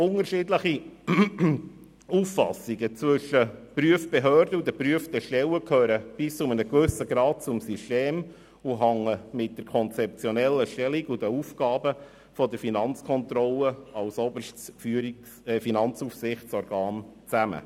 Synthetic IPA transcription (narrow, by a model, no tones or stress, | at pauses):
ʊnəɾʃɪdləχi | ufːɑ̰siɡət͡sʋɵʃːəpɾyəfb̥eɦœːɾdəud̪əpɾyəfd̪əʃtɛləkʰøːɾəb̥ɪst͡sʊmənəɡʋɵsəɡɾɑːt̚t͡sʊmsysteːm | uɦɑŋəmɪt̚d̥əɾkʰɔnt͡sɛp̚t͡sjɔnɛlːəʃtɛliɡud̪əufɡ̥ɑːbə | fɔdəɾfinɑnt͡skʰɔnt̪ɾɔlːəɑlsɔbəɾʃtfyɾ | finɑnt͡sufsɪχtt͡sɔɾɡ̥ɑːnt͡sæmə̰